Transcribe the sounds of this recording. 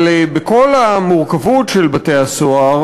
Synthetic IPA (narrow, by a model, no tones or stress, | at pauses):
libeko̞lamuʁkavutʃelbatejasoaʁ